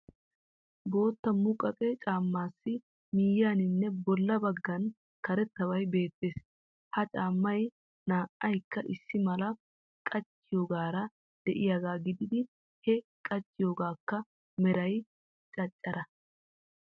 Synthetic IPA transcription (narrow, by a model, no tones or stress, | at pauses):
bo̞ːt̪ːɐmʊkʼɐkʼɛt͡ʃʼaːmːaːsːɪ | miːjaːnɪnːɛbɔlːɐbɐɡːɐn | kɐɾɛt̪ːɐwɐjbe̞ːt̪ːe̞ːs | hɐt͡ʃʼaːmːɐj | naːʔɐjkːɐʔɪsːɪmɐlɐ | kʼɐt͡ʃʼːɪjoːɡaːɾɐ | d̪̥ɛʔɪjaɡaːɡɪd̪ɪd̪ɪ | hɛkʼɐt͡ʃʼːɪjoːɡaːkːɐ | mɛɾɐj | t͡ʃʼɐt͡ʃʼːɐɾɐ